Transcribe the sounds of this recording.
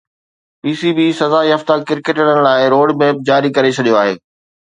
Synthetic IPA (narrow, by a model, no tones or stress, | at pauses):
piːsibiːsɐzaːiɦɐft̪akɪɾkeʈəɽənɪ̆laːɪɾoːɖmɛːp̚d͡ʑaːɾikɐɾet͡ɕʰɐɗijoaːɦeː